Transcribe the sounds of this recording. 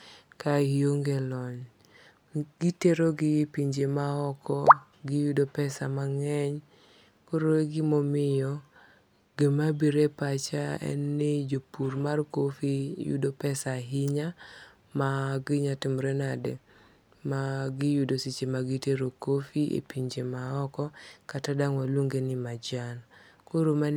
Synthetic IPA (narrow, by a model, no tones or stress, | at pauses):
kaijoŋɡelɔɲ | ɡ̥iteɾoɡɪpiɲd͡ʒemaɔkɔ | ɡɪjudopɛsamaŋɛɲ | koɾoɡɪmɔmɪjɔ | ɡ̥emabiɾepat͡ʃaɛ̰nːɪd͡ʒopurmarkofijṵdopɛsaɦɪɲa | maɡɪɲatɪmɾenade | maɡɪjudosit͡ʃemaɡɪteɾokofiʔḛpiɲd͡ʒemaɔkɔkatadaŋwalwuŋɡenɪmad͡ʒan | koɾoma